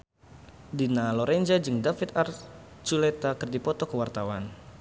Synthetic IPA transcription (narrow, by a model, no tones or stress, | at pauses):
dinalɔɾɛnd͡ʒad͡ʒɨŋdafit̪ar | t͡ʃulɛt̪akɨrdipɔt̪ɔkəwart̪awan